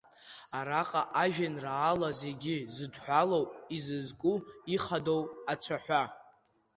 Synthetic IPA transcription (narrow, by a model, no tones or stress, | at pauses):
aɾaqʼaʔaʒᶣanraːlaze̞ɡʲɪzɨdħʷᶣalowpʼizɨzkʼuiχado̞wat͡sʷʰaħʷa